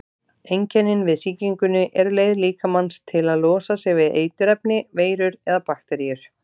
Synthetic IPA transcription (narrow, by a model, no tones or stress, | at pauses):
ejɲcɛnːɪnvɪðsiːciŋkʏnʏʔɛɾʏleːjðliːkamanst̪ʰɪlaðlɔːsasɪɣvɪðḛːjt̪ʏɾɛpnɪveːjɾʏɾɛðapakt̪ɛɾijʏɾ̥